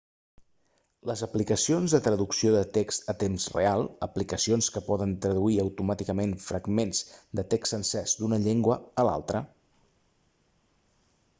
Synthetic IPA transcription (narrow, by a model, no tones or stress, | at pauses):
ləzəplikəsionzðət̪ɾəðuksioðət̪ekst̪ət̪emzrḛalˠəplikəsionskəpɔðənt̪ɾəðuiəwt̪umat̪ikəmenfɾəɡmenzd̪ət̪eksənsɛzd̪unəʎeŋɡwəːla̰lˠt̪ɾə